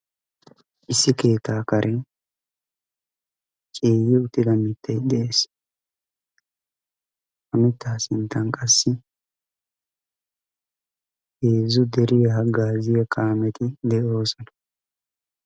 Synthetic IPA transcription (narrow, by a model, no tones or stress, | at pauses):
ʔɪsːɪke̞ːt̪ːaːkɐɾʔɛ | t͡ʃʼeːjɪʊt̪ːɪd̪ɐmɪt̪ʰːɐjd̪ɛʔeːs | hɐmɪt̪ːaːsɪnt̪ːɐnkʼɐsːɪ | heːzʊd̪ɛɾɪjɐɦɐɡaːzɪjɐkʼaːmɛt̪ɪd̪ɛʔo̞ːsɔnɐ̥